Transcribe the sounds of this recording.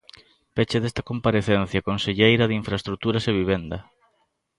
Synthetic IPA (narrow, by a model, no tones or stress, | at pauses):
pet͡ʃɪðest̪ɐkompaɾeθɛn̟θjɐkonseʎejɾɐðɪiɱfɾaest̪ɾuk̚t̪uɾɐseβiβ̞end̪ɐ